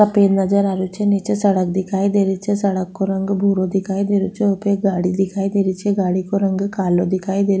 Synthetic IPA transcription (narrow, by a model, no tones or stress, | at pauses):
ɐpeːd̪nɐd͡ʒɐɾɐɾut͡ʃenit͡ʃɐsɐɽɐk̚d̪ikaːjid̪eɾit͡ʃɐsɐɽɐkːuɾɐŋɡɨbʱuːɾoːd̪ikaːjid̪eɾut͡ʃeopeɡaːɽid̪ikaːjid̪eɾit͡ʃeɡaːɽikuɾɐŋɡɨkaːloːd̪ikaːjd̪eɾ